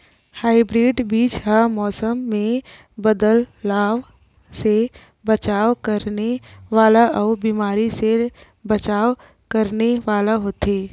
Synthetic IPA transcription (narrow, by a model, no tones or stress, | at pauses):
haːɪbɾeːɖbiːt͡ʃɦamɔːsəmːẽ | bəd̪əlːaːʋ | se | bət͡ʃaːwkəɾneʋaːlaʔɔːbiːmaːɾise | bət͡ʃaːw | kəɾneʋaːlaɦot̪eː